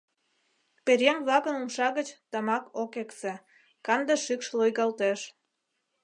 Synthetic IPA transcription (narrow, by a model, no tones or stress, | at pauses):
peɾʲeŋblɑkə̆numʃɑɣət͡ɕt̪ɑmɑkokekse | kɑnd̪eʃykʃlojɣɑlt̪eʃ